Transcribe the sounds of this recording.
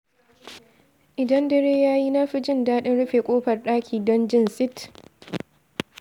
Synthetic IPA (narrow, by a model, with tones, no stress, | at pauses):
ʔɪ˨dɐ˦ndɐ˦ɽeː˦jaː˦ji˦naː˦ɸi˦d͡ʒɪ˦ndaː˦ɗɪ˦nɽʊ˦ɸeː˨kʷʼoː˦ɸɐ˨rɗaː˦kʲiː˨dɔ˦nd͡ʒɪ˦nsɪ˦t